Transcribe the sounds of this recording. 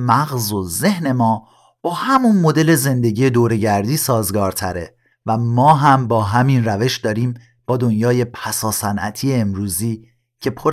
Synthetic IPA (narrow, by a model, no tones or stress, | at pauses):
mæɣzo̞ze̞hne̞mɒː | b̥ɒːhæmunmo̞d̪e̞le̞ze̞nd̪e̞ɟiːje̞d̪oːɾe̞ɟæɾd̪iːsɒːzɡɒːɾt̪ʰæɾe | væmɒːɦæmbɒːɦæminræve̞ʃd̪ɒːɾiːm | b̥ɒːd̪o̞njɒːje̞pʰæsɒːsænʔæ̰t̪ʰiːeːmɾuːziː | cʰe̞pʰoɾ